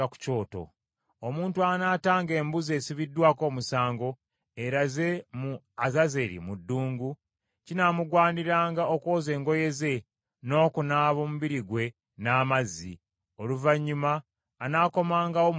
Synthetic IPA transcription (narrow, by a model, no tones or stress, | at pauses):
aku̥co̞ːto̞̰ | omuːntuanaːtaːŋɡe̞ːmbuze̞ːsiβidːwaːko̞ːmusaːŋɡo̞ | e̞ɾaze̞mu | azazeɾḭmudːuːŋɡu | cinamuɡwaːniɾaːŋɡaoko̞ːze̞ːŋɡo̞je̞ze̞ | no̞ːkunaːβo̞muβiɾiɡwe̞ | naːmazḭ | o̞luvaɲːumaː | naːko̞maːŋɡawom